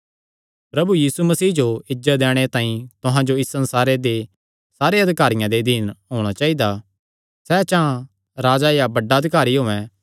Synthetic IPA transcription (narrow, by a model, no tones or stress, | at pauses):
pɾɐbujiːsumɐsiːd͡ʒoɪd͡ʒət̪̚d̪ɛːɽ̃et̪ãːĩt̪ʊɦãd͡ʒoɪsːɐ̃nsaːɾed̪e | saːɾeɐd̪ɪkaːɾɪjãd̪ed̪ɪːnɦoːɽ̃at͡ʃaːid̪a | sɛːt͡ʃã | ɾaːd͡ʒajabɐɖːaɐd̪ʱɪkaːɾiɦoːɛ̃